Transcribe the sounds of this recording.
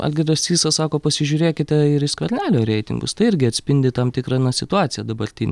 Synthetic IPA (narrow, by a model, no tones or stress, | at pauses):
ɐ̰lʲɡʲɪdɐsʲsʲiːsɐsɑːkoːpɐsʲɪʒʲuːɾʲeːkʲɪt̪ʲɛɪɾɪskʋʲɐɾʲnʲæːlʲoːɾʲɛɪt̪ʲɪ̰ŋɡʊ̰st̪ɐɪɪɾʲɡʲɪɐt̪ʲsʲpʲɪnʲd̪ʲɪt̪ɐmt̪ʲɪkɾɑnɐsʲɪt̪ʊɑːt̪sʲɪjɛd̪ɐbɐɾʲt̪ʲɪnʲ